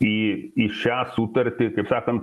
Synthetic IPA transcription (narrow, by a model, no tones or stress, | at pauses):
iiʃaːsut̪ɐɾt̪ikepsaːkɐn